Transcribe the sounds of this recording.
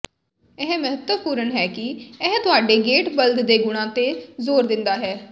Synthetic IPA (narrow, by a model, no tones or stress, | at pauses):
ɛɦməɦət̪wəpuːɾəɳɦɛːkɪɛɦt̪ʊaːɖeːɡeːʈbəld̪d̪eːɡʊɽ̃ãːt̪eːzoːɾd̪ɪnd̪aːɦɛː